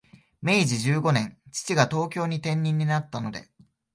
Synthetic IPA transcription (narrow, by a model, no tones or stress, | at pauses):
me̞iʑiʑɨːɡo̞nẽ̞ŋt͡ɕi̥t͡ɕiɡat̪o̞ːkʲo̞ːɲ̟it̪ẽ̞ɲ̟ʲːĩɲ̟ːinat̪ːano̞d̪e̞̰